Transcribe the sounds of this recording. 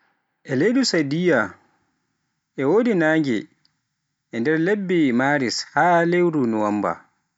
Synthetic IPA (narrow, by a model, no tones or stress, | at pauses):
ʔɛlejɗusadija | ʔɛwoːdinaːŋɡɛ̰ | ʔɛndɛɾlebːimaːɾishaːlewɾunuwamba̰